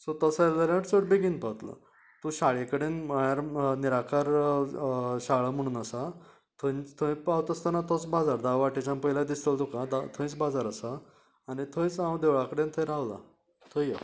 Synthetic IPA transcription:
sot̪əsaləɾaəʈt͡səʈbeɡinpət̪la̰ | t̪ũɕaɭekəɽenməɭ̃aɾniɾakʰaɾ | ɕaɭam̤əɽ̃uːnasa | t̪ʰə̃ĩt͡st̪ʰə̃j̃pawt̪əst̪ənat̪ʰɔt͡sbad͡zaɾd̪awʋaʈet͡ɕãmpəɦilad̪ist̪əlt̪ukad̪at̪ʰə̃j̃t͡sbad͡zaɾəsaː | nit̪ʰə̃j̃t͡sãwd̪eʋɭakəɽẽnt̪ʰəjɾaʋla̰ | t̪ʰəjjə̰

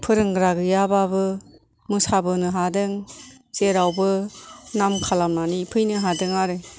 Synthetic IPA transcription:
pʰɯɾɯŋɡɾaɡɯjababɯ | mɯsabɯnɯɦadɯŋ | z̥eɾawbɯnamkʰalamnanipʰɯjnɯɦadɯŋaɾɯ

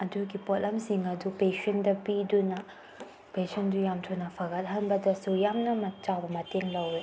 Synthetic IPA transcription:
ɐduɡipot̚lɐmsiŋɐdupesɐndɐpidunɐ | pesɐndujamtʰonɐpʰɐɡɐt̚ɦɐnbɐdɐsujamnɐmɐt͡ʃawbɐmɐteŋlɐwɾi

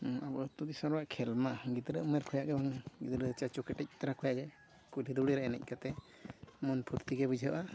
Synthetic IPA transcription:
abɔʔɔt̪ud̪isaɾbaʔkʰɛlmaɡit̪ɾəʔmɛɾkʰɔjaʔɡɛbaŋɡit̪ɾət͡ʃat͡ʃɔkɛʈɛc̚ˀt̪aɾakʰɔjaʔɡɛ | kuliɾuɽiɾɛɛnɛ̰c̚ˀkat̪ɛ | mɔnpʰuɾt̪iɡɛbud͡ʒʱə̰ʔa

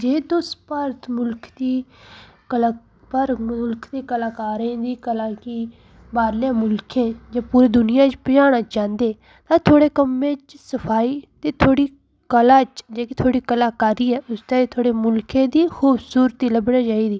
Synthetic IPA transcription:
d͡ʒeːd̪õːspəɾt̪mʊlkʰd̪iː | pəɾʊlkʰd̪eːkəlaːkaːɾẽːd̪iːkəlaːkiː | baːɾljãːmʊlkʰẽːd͡ʒaːpuːɾeːd̪ʊnɪjãːt͡ʃpəd͡ʒaːɽ̃aːt͡ʃãːnd̪eː | t̪ãːt̪ʰoːɽeːkəmːẽːt͡ʃsəpʰaːiːt̪eːt̪ʰoːɽiː | kəlaːt͡ʃd͡ʒeːkit̪ʰoːɽiːkəlaːkaːɾiːɛːʔʊst̪ãːet̪ʰoːɽeːmʊlkẽːd̪iːxuːbsuːɾət̪iːləbɽeːd͡ʒaːiːd̪iː

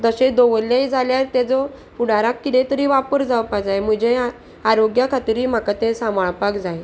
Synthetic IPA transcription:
d̪əɕed̪oʋəlːjaɦid͡zʱaljaɾt̪jad͡zɔ | uɽaɾakːit̪ẽt̪əɾiːʋapəɾd͡zaʋpakd͡zajm̤əd͡ʑe | aɾoɡjakʰat̪iɾiːm̤akat̪esãmaɭpakd͡zaj

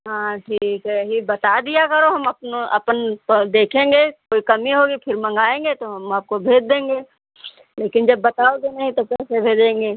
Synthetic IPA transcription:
ɦãːʈʰiːkɦɛɦibɐt̪ad̪ijakɐɾoɦɐmɐpnoɐ̰pənd̪eːkʰẽːŋɡekoːikɐmiɦoːɡipʰɪɾmɐ̃ŋɡaːẽːŋɡet̪oɦɐmaːp̚kobʱeːd͡ʒd̪ẽːŋɡeː | leːkɪnd͡ʒɐbːɐt̪aːoɡenɐɦĩt̪opɛːsebʱeːd͡ʒẽːŋɡeː

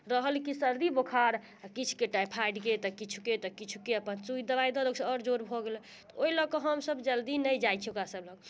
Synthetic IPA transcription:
ɾəɦəlkisəɾd̪ibokʰaɾ | kit͡ʃʰu̥keʈajpʰajɖket̪ɔkit͡ʃʰuket̪ɔkit͡ʃʰukeəpənt͡ʃujd̪əβajd̪ɔləɡsɔɾd͡ʒoɾbʱɔɡelɛ̃ | t̪ɔoiləkɔɦəmsəbd͡ʒəld̪inəjd͡ʒajt͡ʃʰiokɾasəbləɡ

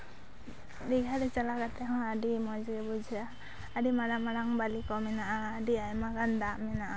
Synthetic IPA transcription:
diɡʱaɾɛt͡ʃalakat̪ɛɦɔ̃adimɔd͡ʒɛbud͡ʒʱiaː | dimaɾamaɾaŋbalikɔmɛnaʔaːdiajmaɡand̪aʔmɛnaʔa

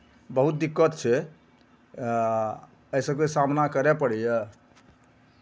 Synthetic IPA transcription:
bəɦut̪̚d̪ikːət̪t͡ʃʰɛ | əjsəkkesamnakəɾepəɽijə

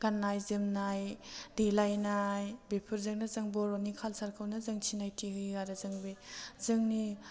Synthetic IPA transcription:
ɡanːajzɯmnajdelajnajbepʰɯɾzɯŋnazɯŋbɔɾonikʰalsaɾkʰɯwnazɯŋt͡ʃʰinajtʰiɦɯjɡaɾazɯŋbizɯŋni

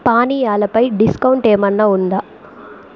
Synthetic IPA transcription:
paːnijaːlɐpɐjɖiskɐwuɳʈeːmɐnːaːund̪aː

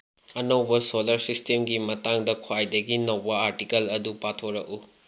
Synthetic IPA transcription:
ɐnɐwbɐsolɐɾsistemɡimɐtaŋdɐkʰwajdɐɡinɐwbɐaɾtikɐlɐdupatʰoɾɐku

